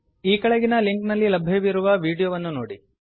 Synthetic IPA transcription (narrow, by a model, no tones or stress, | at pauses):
iːkɐɭeɡinɐliŋknɐlːilɐbʱeʋiɾuʋɐʋiːɽijoʋɐnːunoːɽi